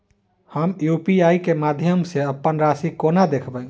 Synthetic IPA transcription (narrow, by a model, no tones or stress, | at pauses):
həmjupiaikemad̪ʱjəmseəpːənɾasikonad̪ekʰbə